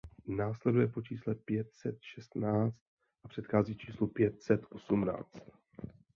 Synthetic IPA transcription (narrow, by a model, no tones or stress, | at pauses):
naːslɛdujɛpo̞t͡ʃiːslɛpjɛt̪̚sɛt̪ʃɛst̪naːt͡st̪̚ | ʔapr̝̥ɛt̪xaːziːt͡ʃiːslupjɛt̪̚sɛt̪ʔo̞sumna̰ːt͡st̪